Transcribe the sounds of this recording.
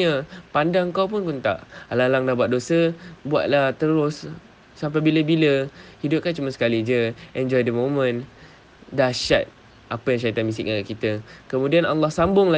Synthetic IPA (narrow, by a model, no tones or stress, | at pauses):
əpandaŋkawpʊnkunt̪a̰ʔalalaŋdabuatʔ̚dosəbua̰ʔ̪̚laht̪əɾʊsː | ampajbiləbiləhidʊp̚kant͡ʃumasə̥kalid͡ʒəʔɛnd͡ʒɔjdəmõmə̃n | daʃat̪̚ | ʔapəjaŋʃ̬aɾit̪anmisɪ̰k̚aɡaʔkit̪əkəmũdianalːɑhsambʊŋla